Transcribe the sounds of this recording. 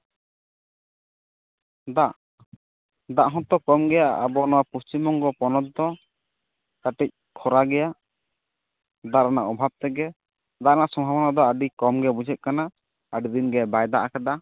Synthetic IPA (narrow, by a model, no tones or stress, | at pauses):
d̪aʔ | d̪aʔɦɔ̃t̪ɔkɔmɡɛjaa̰bɔnɔwapust̪imɔŋɡɔpɔnɔt̪̚d̪ɔ | kaʈɛc̚ | kʰɔɾaɡɛjaʔ | d̪aɾanaʔɔbʱab̚t̪ɛɡɛ | d̪aʔɾanaʔsɔmbʱabɔnad̪ɔaɖikɔmɡɛbud͡ʒʱɛt̪̚kana | aɖid̪inɡɛbajd̪aʔakad̪a